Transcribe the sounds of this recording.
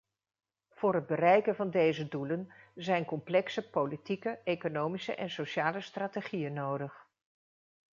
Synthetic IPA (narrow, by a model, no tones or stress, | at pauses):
v̥ʊːrɦəd̚bərɛjkənvɑndejzədulənzɛjnkɔmplɛksəpowlitikəejkonowmisə̰ʔɛnsoʃaːləstraːteχijənːowdəχ